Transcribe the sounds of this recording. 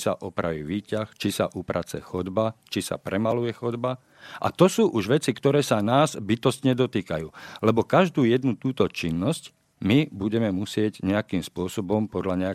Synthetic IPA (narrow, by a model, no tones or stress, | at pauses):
sa̰ʔɔpɾa̰ʋḭːʋiːcaxt͡ʃisa̰ʔupɾʔat͡sɛ̰xɔd̪bat͡ʃisa̰pɾɛmalujɛxɔd̪ba | ʔa̰t̪ɔsuːʔuʒʋɛt͡sikt̪ɔɾɛːsanaːzbit̪ɔst̪ɲɛd̪ɔt̪iːkajuːlɛbɔkaʒd̪uːjɛd̪nut̪uːt̪ɔt͡ʃinːɔsc | mibuɟɛmɛmusɪɛɟɲɛakiːmspʊɔsɔbɔmpɔd̪ʎaɲɛa